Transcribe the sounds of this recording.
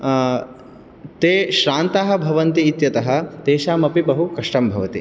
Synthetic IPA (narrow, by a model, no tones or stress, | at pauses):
t̪eːʃɾaːnt̪aːɦɐ̆bʱɐʋɐnt̪iːt̪jɐt̪ɐɦɐ̆t̪eːʃaːmɐpibɐɦukɐʂʈɐmbʱɐʋɐt̪ḭ